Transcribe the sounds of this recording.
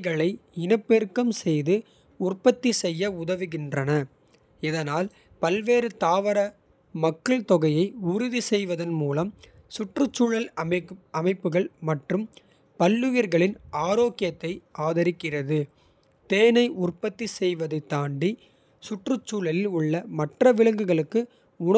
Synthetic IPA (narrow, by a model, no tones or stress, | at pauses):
ɣɐɭɐɪɪnɐpːeːrkɐmsɛjðɯ | ʊrpɐt̪ːisɛjːɐʊðɐʋɯɣɪndrɐnɐ | ɛðɐnaːl | pɐlʋeːɾɯt̪aːʋɐɾɐ | mɐkːɐɭt̪ɔɣɐjɐɪʊɾɪðisɛjʋɐðɐnmuːlɐm | sʊʈrɯt͡ʃːuːɻɐlɐmɐɪpːɯɣɐɭmɐʈrɯm | pɐlːɯʋiɾɣɐɭɪnaːɾoːkːɪjɐt̪ːɐɪʔaːðɐɾɪkːɪrɐðɯ | t̪eːnɐɪʔʊrpɐt̪ːisɛjʋɐðɐɪt̪ːaːɳɖi | sʊʈrɯt͡ʃːuːɭɐlɪlʊɭːɐmɐʈrɐʋɪɭɐŋɡɯɣɐɭɯkːɯ | ʊɳɐ